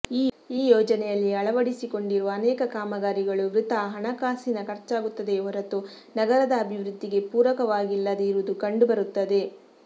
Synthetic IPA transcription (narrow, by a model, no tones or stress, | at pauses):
iː | iːjɔːd͡ʒɐnɛjɐlːiɐɭɐʋɐɽisiko̞ɳɖiɾuʋɐːnɛːkɐkaːmɐɡaːɾiɡɐɭuʋɾit̪ɐɦɐɳɐkaːsinɐkɐɾt͡ʃaːɡut̪ːɐd̪e̞ʋɔɾɐt̪u | nɐɡɐɾɐd̪ɐːbʱiʋɾud̪ːiɡe̞puːɾʋɐkɐʋaːɡilːɐd̪eiɾʋud̪ukɐɳɖubɐɾut̪ːɐd̪e̞